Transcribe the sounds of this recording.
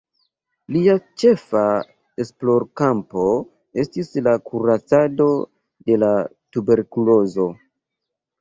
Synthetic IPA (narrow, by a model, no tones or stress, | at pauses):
liat͡ʃe̞fa | e̞splo̞ɾkampo̞ | e̞stislakuɾat͡sado̞ | de̞la | tube̞ɾkulo̞zo̞